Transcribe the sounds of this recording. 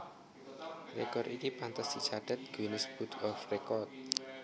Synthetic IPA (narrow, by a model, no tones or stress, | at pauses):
rekɔrɾikipant̪əsd̪̥i̥t͡ʃaɖ̥ɛt̪̚ɡ̥inəsb̥ut̪ɔfrekɔrt̪̚